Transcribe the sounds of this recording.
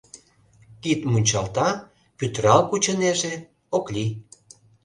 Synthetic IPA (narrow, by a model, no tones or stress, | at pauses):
kit̪munʲt͡ɕɑlt̪ɑ | pyt̪ɾɑlkut͡ɕə̆neʒe | okli